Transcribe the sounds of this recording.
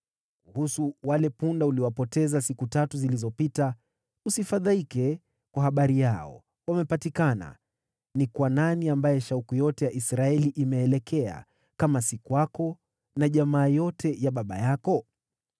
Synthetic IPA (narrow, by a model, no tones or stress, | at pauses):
kuhusuwalɛpundauliwapɔtɛzasikutatuzilizɔpita | usifaðaikɛ | kwahaɓaɾijaɔ̰ | wamɛpatikana̰ | nikwananiambajɛʃaukujɔtɛjaʔisɾaɛliʔimɛːlɛkʰɛa̰ | kamasikuwakɔ | naʄamaːjɔtʰɛjaɓaɓa̰jakɔ